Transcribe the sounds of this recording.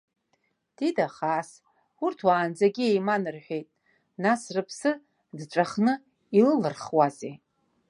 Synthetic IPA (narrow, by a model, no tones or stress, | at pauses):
d̥idaχaːs | urtʰwaːnd͡zaɡʲiejmanɨrħʷᶣejtʼ | nasrɨpʰsɨ | dʈ͡ʂʷʼaχnɨ | ilɨlɨrχwazḛ